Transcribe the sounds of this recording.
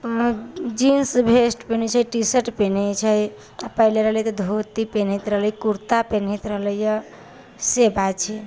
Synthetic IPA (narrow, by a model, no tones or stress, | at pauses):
d͡ʒinsbʱesʈpenet͡ʃʰəʈisəʈpenet͡ʃʰəj | apəɦileɾəɦljt̪ɔd̪ʱot̪ipenɦit̪ɾəɦləjkuɾt̪apenɦit̪ɾəɦləjə | sebat͡ʃʰɛ